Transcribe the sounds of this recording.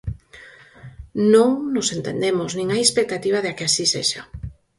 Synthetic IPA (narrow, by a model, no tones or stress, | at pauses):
nõŋnosent̪end̪emʊznĩŋajespek̚t̪at̪iβ̞aðakɪasisḛʃa